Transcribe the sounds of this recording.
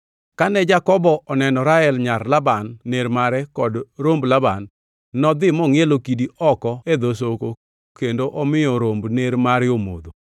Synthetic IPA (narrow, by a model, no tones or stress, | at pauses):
kanɛd͡ʒakɔbɔʔɔnɛnɔɾaɛlɲaɾlabanːeɾmaɾɛkɔdɾomblabanː | ɔd̪ɪmɔŋelokidiʔɔkɔed̪os̬oko | kendoʔɔmɪjɔɾombneɾmaɾjomo̰d̪o